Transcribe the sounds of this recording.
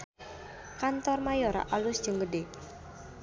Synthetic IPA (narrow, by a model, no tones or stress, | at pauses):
kant̪ɔrmajoɾa̰ʔalʊsd̥ʒ̥əŋɡəde